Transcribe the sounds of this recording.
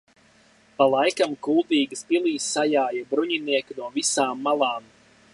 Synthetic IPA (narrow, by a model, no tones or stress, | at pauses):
palˠajkamkulˠd̪iːɡɨspilˠiːsːajaːjabɾuɲiniɛkunuɔvisaːmːalˠaːm